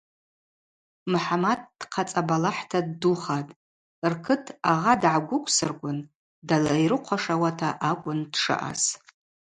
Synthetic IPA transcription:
mħamad̚d̥qʰat͡sʼabalaħtʰadːuχatʼ | rkʰɨtʰaʁadʕaɡʷʊkʷʰʼsɨrɡʷʼʊn | dalajɾɨqʷʰaʂawatʰaʔakʷʼʊndʂɨ̰ʔa̰z

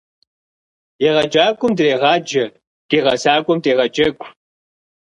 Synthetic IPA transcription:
jeʁɐd͡ʒʼaːkʷʼʊmdɨreːʁɑːd͡ʒɐ | tʼeːʁɐsaːkʷʼʊmtʼeːʁɐd͡ʒʼɐkʷʰʼ

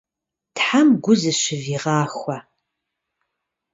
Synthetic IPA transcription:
tħamɡʷʊzɨʃɪviːʁɑːxʷɐ

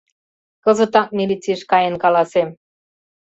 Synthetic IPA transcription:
kɤ̆zɤ̆t̪ɑk̚mʲilit͡siʃkɑjənkɑlɑsem

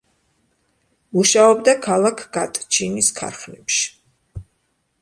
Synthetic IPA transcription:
muʃaɔbd̪akʰalˠakʰɡat̪ʼt͡ʃʰiniskʰa̰ɾχnɛpʃi̥

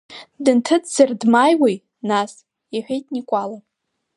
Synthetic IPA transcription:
dɨntʰɨt͡sʼzardmajwij | nas | jaħʷᶣejtʼnikʷʼalapʼ

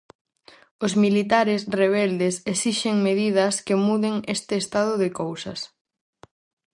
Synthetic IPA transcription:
ʊszmilit̪aɾɪsreβ̞ɛld̪esesiʃeŋmeðiðɐskemuðeŋest̪ɪːst̪að̞ʊðɪkowsɐ̰s

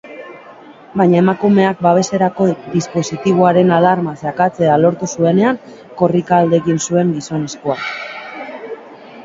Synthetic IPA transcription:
bajɲaemakume̞ak̚baβ̞e̞se̞ɾako̞d̪ispo̞sit̪iβ̞oaɾe̞nalaɾmasakat͡se̞alo̞ɾt̪usue̞ne̞aŋ | ko̞rikaːld̪e̞ːɣinsue̞ŋɡiso̞ne̞sko̞ak

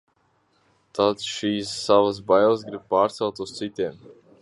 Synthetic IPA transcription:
t̪at̪sʃiːsːavas̬bajlˠəsɡɾib̚paːɾt̪sɛlˠt̪ust̪sit̪ʲiɛm

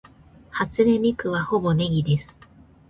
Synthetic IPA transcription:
hat͡sɨɾemʲikɯ̟βaho̞bo̞ne̞ɡʲid̪e̞sɨ̥

